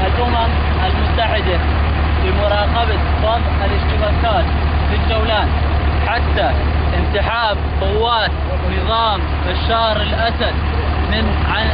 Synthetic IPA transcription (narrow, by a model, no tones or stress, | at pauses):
ʔalʔʊmam | ʔalmʊt̪ːaħɪd̪a | bɪmʊɾˤɑːqɑba | fɑðˤʔɪlɪʃt̪ɪɣakaːt̪ | fɪd͡ʒawlaːn | ħat̪ːa | ʔɪnt̪ɪħaːbqʊwːaːt̪ | nɨðˤɑːm | ʔaʃːahɾˤɪlʔasad̪̚ | mɪn | ʕa